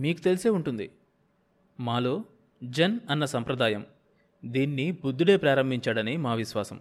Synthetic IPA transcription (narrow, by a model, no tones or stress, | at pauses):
miːkut̪e̞liseːuɳʈund̪i | maːloː | d͡ʒɐnɐnːɐsɐmpɾɐd̪aːjɐm | d̪iːnːibud̪ʱːuɽe̞ːpɾaːɾɐmbʱiɲt͡ʃaːɽɐnimaːʋiʃʋaːsɐ̰m